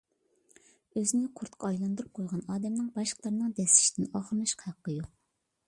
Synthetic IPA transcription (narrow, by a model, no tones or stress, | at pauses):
øzɪnɪqʰʊɾt̪qʰɑɑjlˠɑnd̪uɾup̚ʰojˠʁɑnɑːd̪ɛmnɪŋbɑʃqlˠɑɾnɨŋd̪ɛsɪ̥ʃt̪ɪnɑːχəɾnɨʃqʰhæqːəjoq̚